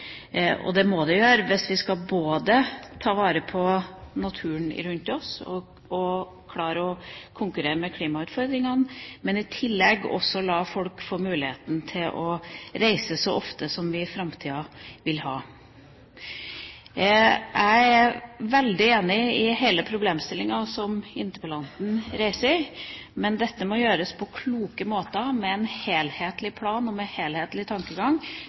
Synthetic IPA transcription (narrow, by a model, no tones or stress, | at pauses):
ʔɔ̰d̪ɛmɔd̪ɛjøːɾəʋɪsʋɪskɑboːd̪ət̪ʰɑːʋɑːɾəpʰɔnɑt̪ʰʉːəɳɪ̰ɾʉnt̪ɔsɔ̰ | ɔ | kʰlɑːɾəɔkʰʊŋkʉɾeːɾəmɛkʰliːmɑʉːt̪fɔɾd̪ɾɪŋɑnmɛnɪt̪ʰɪlːɛɡɔ̰sːɔlɑfɔlkfoːmʉːlɪheːt̪n̩t̪ʰɪlʔɔɾæɪsəsɔʔɔft̪əsɔmʋɪfɾɑmt̪ʰiːɑʋɪlhɑ̰ː | ʔæɪæʋɛld̪ɪeːnɪɪhæɪləpʰɾʊbleːmst̪ɪlːɪŋɑsɔmɪnt̪əpɑlɑnt̪n̩ɾæɪsəmɛnd̪ɛt̪ːəmɔjøːɾəspʰɔkʰluːkəmoːt̪əmɛɛnheːlheːt̪lɪpʰlɑːnɔmɛheːlheːt̪lɪt̪ʰɑŋkəɡɑŋ